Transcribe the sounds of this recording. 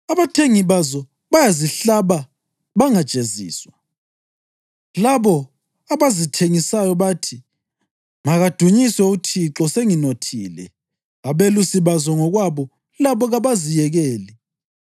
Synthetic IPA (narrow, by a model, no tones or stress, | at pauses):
aβatʰeŋiβazɔ | βajaziɬaβa | βaŋad̥t͡ʃʼezḭːswa | laβɔ | aβazitʰeŋisajɔβatʰi | maɣad̥ʱuɲiswɛutʰiǁɔseŋinotʰḭːlɛ̰ | aβelusiβazɔŋɔɣwaβɔ | laβɔɣaβazijɛɣɛːli